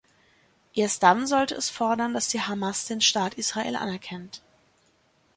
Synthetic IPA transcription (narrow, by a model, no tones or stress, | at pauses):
ʔeːɐst̚d̥anzɔltəɛsfɔɐdɐndasd̥iːhamasd̥eːnʃtaːtʔiːsʁ̥aʔḛːlʔa̰nɛɐkʰɛnt